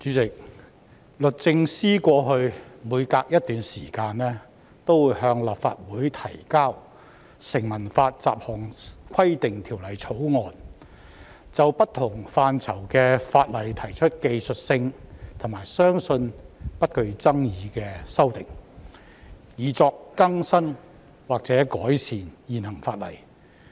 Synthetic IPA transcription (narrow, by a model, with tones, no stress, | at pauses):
t͡ʃyː˨˥t͡sɪ˨k̚ | lɵ˨t̚t͡sɪ˧ŋsiː˥kʷɔː˧ɦɵ˧ɥmuː˨˧jkaː˧k̚jɐ˥t̚t̪yː˨nsiː˨˩kaː˧nnɛː˥ | t̪o˥wuː˨˧jɦœː˧ŋlaː˨pfa̰ː˧t̚wuː˨˥jt̪ʰɐ˨˩jkaː˥w | sɪ˨˩ŋmɐ˨˩nfaː˧t̚t͡sa̰ː˧˨p̚hɔː˨˩ŋkʰɐ˥jt̪ɪ˨ŋt̪ʰiː˨˩wlɐ˨˩jt͡sʰo˨˥wŋɔː˨˧n | t͡sɐ˨wpɐ˥t̪ʰʊ˨˩ŋfaː˧nt͡sʰɐ˨˩wkɛː˧faː˧t̚lɐ˨˩jt̪ʰɐ˨˩jt͡ʃʰɵ˥t̚ke˧jsɵ˨t̚sɪ˧ŋt̪ʰʊ˨˩maː˨˩jsœː˥ŋsɵ˧npɐ˥t̚kɵ˧ɥt͡sɐ˥ŋjiː˨˧kɛː˧sɐ˥wt̪ɪ˨˩ŋ | jiː˨˧t͡sɔː˧kːɐ˥ŋsɐ˥n | waː˨k̚t͡sɛː˨˥kɔː˨˥jsʰiː˨˩njiː˨˩nhɐ˨˩ŋfaː˧t̚lɐ̰˨˩j